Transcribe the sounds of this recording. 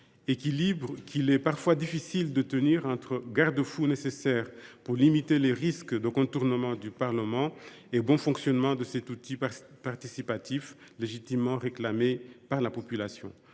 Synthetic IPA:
ekilibʁəkʰilɛpaʁfwad̪ifisild̪ət̪əniʁɑ̃t̪χəɡaʁd̪əfunesesɛʁpuʁlimit̪eleʁiskd̪əkɔ̃t̪uʁnəmɑ̃d̪ypaʁləmɑ̃ | ebɔ̃fɔ̃ksjɔnmɑ̃d̪əsɛt̪ut̪i | paʁt̪isipat̪if | leʒit̪imːɑ̃ʁeklamepaʁlapɔpylasjɔ̰̃

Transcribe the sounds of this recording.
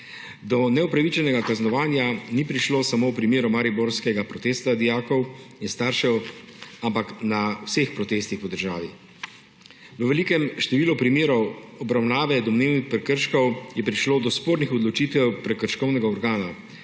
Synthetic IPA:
d̪ɔnɛupɾaʋit͡ʃɛnɛɡakaznɔʋaːnjanipɾiʃloːsamowpɾimeːɾɔmaːɾiboɾskɛɡapɾɔt̪eːst̪ad̪ijaːkɔwinst̪aːɾʃɛwampaknawsexpɾɔt̪eːst̪ixpɔd̪əɾʒaːʋi | ʋəʋɛlikɛmʃt̪ɛʋiːlɔpɾimeːɾɔwɔbɾawnaːʋɛd̪ɔmneːwnixpɾɛkəɾʃkɔwjɛpɾiʃloːd̪ɔspoːɾnixɔd̪lɔt͡ʃiːt̪ʋɛwpɾɛkəɾʃkɔwnɛɡaɔɾɡaːna

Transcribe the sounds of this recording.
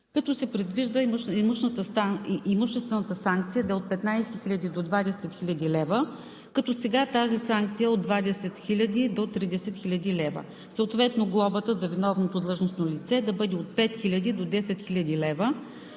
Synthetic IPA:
kɐt̪ɔsɛpɾɛd̪viʒd̪əimuʃnət̪əimuʃt̪ɛst̪vɛnət̪əsaŋk̚t̪sijəd̪ɐɛot̪̚pɛt̪najsɛxilʲɐd̪id̪od̪vad̪ɛsɛt̪xilʲɐd̪ilɛvə | kɐt̪ɔsɛɡat̪azisaŋk̚t̪sijəod̪vad̪ɛsɛt̪xilʲɐd̪id̪ot̪ɾid̪ɛsɛt̪xilʲɐd̪ilɛvə̰ | səot̪vɛt̪noɡlˠɔbət̪əzɐvinɔvnot̪od̪lˠɤʒnosnolit̪sɛd̪ɐbɤd̪ɛot̪̚pɛt̪xilʲɐd̪id̪od̪ɛsɛt̪xilʲɐd̪ilɛvə

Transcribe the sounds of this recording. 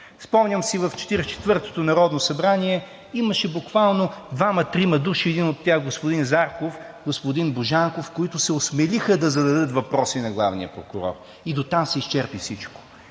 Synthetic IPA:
fspɔmnʲəmsivɐft͡ʃɛ̥t̪iɾɛt͡ʃɛ̥t̪vɤɾt̪o̥t̪onɐɾɔd̪nosɐbɾaniɛ | iməʃɛbukvalˠnod̪vamɐt̪ɾimɐd̪uʃiɛd̪inot̪ːjaxɡospʊd̪inzaɾkofɡospʊd̪inboʒaŋkofkoit̪ʊsɛosmɛlixəd̪ɐzɐd̪ɐd̪ɤt̪vɐpɾɔsinɐɡlˠavnijəpɾokʊɾɔ̰ɾ | id̪ot̪amsɛist͡ʃɛɾpifsit͡ʃko̥

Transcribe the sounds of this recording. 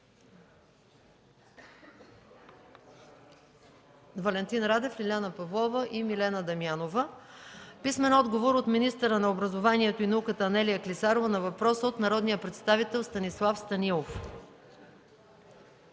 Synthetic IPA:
vɐlɛnt̪inɾad̪ɛflilʲanəpɐvlˠɔvəʔimilɛnəd̪ɐmianovə | pismɛnɔd̪ɡovoɾot̪minist̪əɾənɐobɾɐzovaniɛt̪oinɐukət̪əːnɛlijəklisaɾovənɐvɐpɾɔsəot̪nɐɾɔd̪nijəpɾɛt̪st̪avit̪ɛlˠst̪ɐnislˠafst̪ɐnilˠof

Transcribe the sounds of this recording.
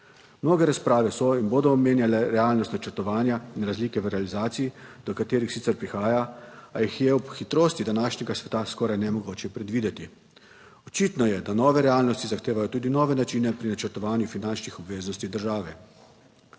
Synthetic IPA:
mnoːɡɛɾaspɾaːʋɛsɔinboːd̪ɔːmeːnjalɛɾɛaːlnɔst̪nat͡ʃəɾt̪ɔʋaːnjainɾazliːkɛʋəɾɛalizaːt̪sijid̪̥ɔkat̪eːɾixsit̪sɛɾpɾixaːjaajixjɛupxit̪ɾoːst̪id̪anaːʃnɛɡasʋɛt̪askɔːɾajnɛmɔɡoːt͡ʃɛpɾɛd̪ʋiːd̪ɛt̪i | ɔt͡ʃit̪nɔjɛd̪anɔːʋɛɾɛaːlnɔst̪izaxt̪eːʋajɔt̪uːd̪inɔːʋɛnat͡ʃiːnɛpɾinat͡ʃəɾt̪ɔʋaːnjufinant͡ʃnixɔbʋeːznɔst̪id̪əɾʒaːʋɛ

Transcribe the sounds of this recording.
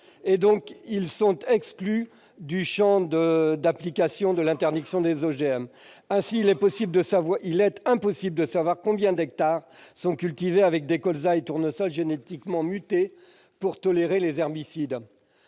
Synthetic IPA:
ed̪ɔ̃kilsɔ̃t̪ɛkskly | d̪yʃɑ̃d̪əd̪aplikasjɔ̃d̪əlɛ̃t̪ɛʁd̪iksjɔ̃d̪ezoʒeɛmɛ̃siːlɛpɔsibld̪əsavwailɛt̪ɛ̃pɔsibld̪əsavwaʁkɔ̃bjɛ̃d̪ɛk̚t̪aʁsɔ̃kʲylt̪iveavɛk̚d̪ekɔlzaet̪uʁnɔsɔlʒenet̪ikmɑ̃myt̪e | puʁt̪ɔleʁelezɛʁbisid̪

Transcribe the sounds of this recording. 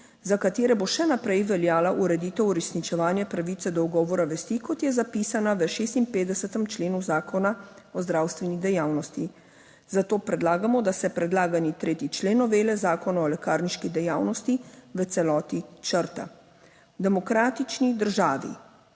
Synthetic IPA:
zakat̪eːɾɛboʃɛnapɾɛjʋɛljaːlaʔuɾɛd̪iːt̪ɛwuɾɛsnit͡ʃɛʋaːnjɛpɾaʋit̪sɛd̪ɔwɡɔːʋɔɾaʋɛst̪ikɔt̪jɛzapisanaʋəʃeːst̪inpeːt̪d̪ɛsɛt̪ɛmt͡ʃleːnuzaːkɔnaɔzd̪ɾawst̪ʋɛnid̪ɛjaːwnɔst̪i | zat̪oːpɾɛd̪laːɡamɔd̪asɛpɾɛd̪laːɡanit̪ɾeːt̪it͡ʃleːnɔʋeːlɛzaːkɔnaɔlɛkaːɾniʃkid̪ɛjaːwnɔst̪iʋət̪sɛlɔːt̪it͡ʃəɾt̪a̰ | d̪ɛmɔkɾaːt̪it͡ʃnid̪əɾʒaːʋḭ

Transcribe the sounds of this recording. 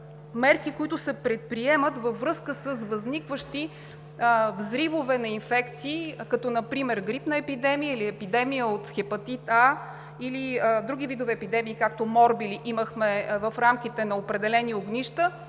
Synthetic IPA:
mɛɾkikoit̪ʊsɛpɾɛt̪̚pɾiɛmət̪vəvɾɤskəsəsvəznikvəʃt̪i | vzɾivovɛnɐinfɛkt̪siːkɐt̪ɔnɐpɾimɛɾɡɾipnɐɛpid̪ɛmijəiliɛpid̪ɛmijəot̪xɛpɐt̪it̪a | ilid̪ɾuɡ̟ʲivid̪ovɛːpid̪ɛmiːkak̚t̪omɔɾbiliʔiməxmɛvɐfɾamk̟it̪ɛnɐopɾɛd̪ɛlɛnioɡnʲiʃt̪ə

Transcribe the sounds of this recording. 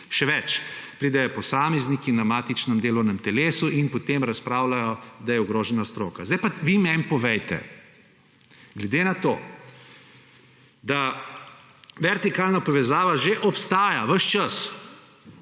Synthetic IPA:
ʃɛʋɛt͡ʃpɾiːd̪ɛjɔpɔsaːmɛznikinamaːt̪it͡ʃnɛmd̪eːlɔwnɛmt̪ɛleːsuinpɔt̪emɾɐspɾaːwlajɔd̪ajɛuɡɾoːʒɛnast̪ɾoːkazd̪ɛjpaʋimɛmpɔʋɛjt̪ɛ̰ | ɡlɛd̪enat̪o̰ː | d̪a | ʋɛɾt̪ikaːlnapɔʋɛzaːʋaʒeʔɔpst̪aːjaʋəʃt͡ʃɐs

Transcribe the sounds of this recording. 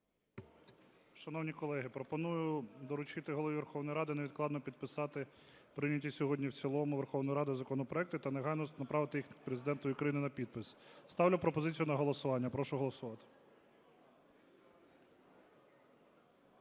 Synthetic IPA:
ʃɐn̪ɔwnʲikɔlˠɛɦɪpɾɔpɔnujʊd̪ɔɾʊt͡ʃɪt̪ɪɦɔlˠɔʋʲiʋerxɔwnɔjɾɑd̪ɪneʋʲid̪̚klˠɑd̪nɔpʲid̪̚pɪsɑt̪ɪ | pɾɪnʲɐtʲisʲɔɦɔdʲnʲiwt͡sʲilˠɔmʊʋerxɔwnɔjiɾɑd̪ɪzɐkɔnɔpɾɔɛkt̪ʊt̪ɐneɦɑjnɔnɐpɾɑʋɪt̪ɪjixpɾezɪd̪ɛnt̪ʊjʊkɾɐjinɪnɐpʲid̪̚pɪsst̪ɑwlʲʊpɾɔpɔzɪt͡sʲijʊnɐɦɔlˠɔsʊʋɑnʲːɐpɾɔʃʊɦɔlˠɔsʊʋɑt̪ɪ̥

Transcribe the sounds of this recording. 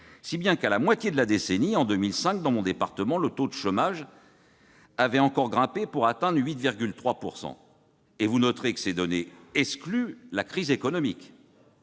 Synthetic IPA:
sibjɛ̃kalamwat̪jed̪əlad̪eseniɑ̃d̪ømilsɛ̃k̚d̪ɑ̃mɔ̃d̪epaʁt̪əmɑ̃lət̪od̪əʃomaʒ | avɛɑ̃kɔʁɡʁɛ̃pepuʁat̪ɛ̃d̪ʁɥit̪viʁɡʲylt̪χwapuʁsɑ̰̃ | evunɔt̪χekə̥sɛd̪ɔneɛksklylakχizekɔnɔmik

